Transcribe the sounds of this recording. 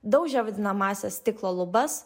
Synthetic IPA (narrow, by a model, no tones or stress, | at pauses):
d̪ɐʊkʒʲɛʋɐd̪ʲɪnɐmɑːsʲɛst̪ʲɪklˠoːlˠʊbɐs